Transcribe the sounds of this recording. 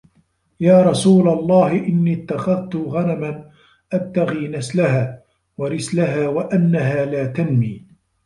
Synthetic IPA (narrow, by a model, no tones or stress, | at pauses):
jaːɾˤɑsuːlalˤːɑːhɪʔɪnːiːɪt̪ːaxaðt̪ʊɣanaman | ʔat̪ːaɣiːnaslaɦaː | waɾɪslaɦaːwaʔanːaɦaːlaːt̪anmiː